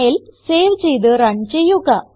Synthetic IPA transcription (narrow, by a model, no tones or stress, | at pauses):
ilseːʋt͡ɕejd̪ɨɾɐɳt͡ɕejːuɣɐ